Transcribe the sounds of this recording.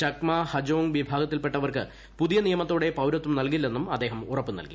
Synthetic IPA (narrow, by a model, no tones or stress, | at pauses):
t͡ɕɐkmahɐd͡ʑoːŋʋibʱaːɡɐt̪ːilpe̞ʈːɐʋɐrkɨ | puðijɐnijɐmɐt̪ːoːɽe̞pɐwɾɐt̪ːumnɐlkilːe̞nːumɐd̪ːeːɦɐmurɐpːɨnɐ̰lkḭ